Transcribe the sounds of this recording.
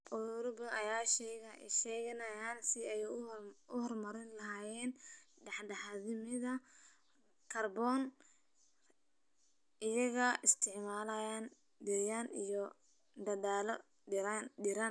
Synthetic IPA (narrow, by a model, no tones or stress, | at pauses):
ʊɾʊbɐɐjaːʃɛɣɐʃɛːɣɐnɐjaːnsɪɐjɛʔʊhɔrmɐɾɪnlɐɦaːjɛːnɖɑħɖɐħɐðɪmɪðɐ | kʰɐrbɔːn | ʔɪjɐɣɐɪst̪ʰɪʕmaːlɐjaːn | dɪjanḭjɔ | d̪ɐðaːlɔ | ɖɪɾan